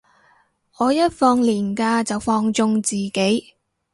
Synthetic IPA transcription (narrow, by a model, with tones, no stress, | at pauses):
ʔɔː˨˧jɐ˥t̚fɔː˧ŋliː˨˩nkaː˧t͡sɐ˨wfɔː˧ŋt͡sʊ˧ŋt͡siː˨ke˨˥j